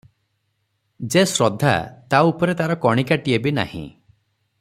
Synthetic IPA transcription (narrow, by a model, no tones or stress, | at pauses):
d͡ʒesɾɔd̪ʱa̰t̪aupɔɾet̪aɾɔkɔɽ̃ikaʈiebina̰hḭ̃